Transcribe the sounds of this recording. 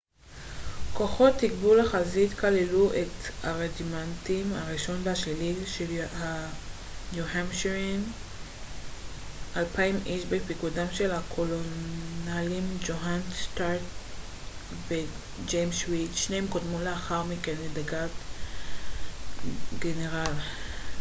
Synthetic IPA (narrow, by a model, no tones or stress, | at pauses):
ko̞χo̞t̪ːikbulaχazit̪kaleluʔetaʁedimantimaʁiʃo̞nbeaʃliliʃeha | njuɦamʃeʁin | ʔalpaimʔiʃbepikudamʃe̞lhakʰolonalimd͡ʒoɦanstaʁt | be | d͡ʒejmʃwitʃnehemkodmuleaχaʁmikenledaɡat | ɡeneʁal